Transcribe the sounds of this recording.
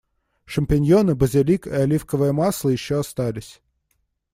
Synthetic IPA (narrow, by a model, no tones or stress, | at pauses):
ʂɨmʲpʲɪnʲjonɨbəzʲɪlʲikɪɐlʲifkəvɨjəmaslˠəjɪɕːoɐst̪alʲɪsʲ